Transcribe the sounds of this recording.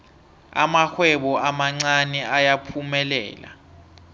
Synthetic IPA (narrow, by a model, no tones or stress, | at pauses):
a̰maxwɛɓɔamaŋ͡ǀanɛajapʰumɛlɛ̰ːla̰